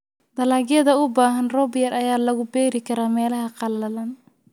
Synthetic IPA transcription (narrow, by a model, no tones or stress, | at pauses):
d̪ɐlaːɣjɐðɐʊbaːɦɐnrɔbɪjɐɾʔɐjaːlɐɣʊbɛːɾɪkʰɐɾaːmɛːlɐɦɐqɑlɐlɐn